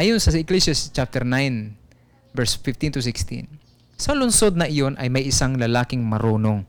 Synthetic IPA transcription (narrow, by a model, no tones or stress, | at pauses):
ʔaːjonsɐsɪklɛsast͡ʃap̚t̪ɛɾnajn | vɛɹsfɪft̪int̪ʊs̬ɪkst̪ḭn | sɐlʊnsod̪nɐʔɪjonʔɐ̰jmɐjʔɪsaŋlɐlaːkɪŋmɐɾoːnoŋ